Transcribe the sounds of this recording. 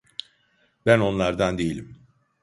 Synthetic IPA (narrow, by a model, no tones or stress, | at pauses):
bæno̞nlˠaɾd̪and̪ejilʲim